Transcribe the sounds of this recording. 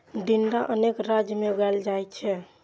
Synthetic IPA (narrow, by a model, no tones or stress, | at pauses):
ɖinɖaʔənekɾad͡ʒjəmeɡald͡ʒajt͡ʃʰɛ